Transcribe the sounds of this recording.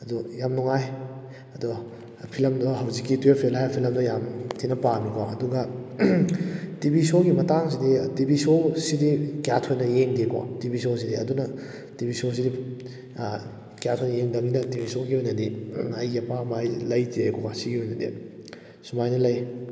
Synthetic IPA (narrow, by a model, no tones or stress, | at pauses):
ɐdujamnuŋaj | ɐdu | pʰilɐmdɔɦɐwzikːituepʰielajapʰilɐmdɐjamtʰinɐpamikwaɐduɡɐ | tibisoɡimɐtaŋs̬iditibisosidikjatʰojnɐjeŋdekwa̰tibisos̬idiɐdunɐ | tibisos̬idi | kjatʰojnɐjeŋdɐŋinɐtibisoɡiɦojnɐdiɐjːɐpamajlɐjtiajkʰokasiɡihojnɐdḭ | sumajnɐlɐj